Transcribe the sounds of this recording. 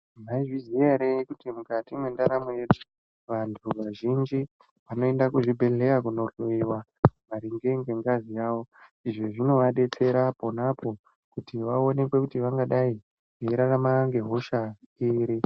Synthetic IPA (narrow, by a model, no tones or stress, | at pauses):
maiʐiziaɾeikutimukatimwendaɾamojedu̥ | ʋantʰuʋaʒind͡ʒi | ʋano̞e̞ndakuʐibʱe̞ɮe̞jakuno̞ɬoiwamaɾiŋɡe̞ŋɡe̞ŋɡazijaːwo̞iʐeʐino̞ʋaɗe̞t͡se̞ɾapo̞napʰo̞ | kutiʋao̞ne̞kwe̞kutiʋaŋɡaɗai | eɾaramaŋɡe̞ɦo̞ʃa | iːɾi